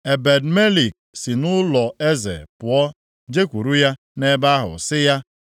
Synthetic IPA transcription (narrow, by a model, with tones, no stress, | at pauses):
e˨be˨dme˦li˨k̚ | si˨nʊ˦lɔ˨e˦zḛ˨pʊ˨ɔ˦ | d͡ʒe˦kʷu˨ɾu˦ja˦ | ne˦ba˦ɦʊ̰˨sɪ˦ja˦